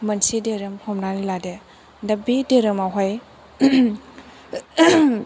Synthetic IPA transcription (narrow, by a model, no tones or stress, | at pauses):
mɐnsideɾɯmhʰɔmnanilade | dabideɾɯmawɦaj